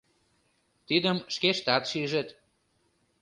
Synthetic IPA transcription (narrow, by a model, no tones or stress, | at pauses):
t̪id̪əmʃkeʃt̪ɑt̪ʃiʒet̪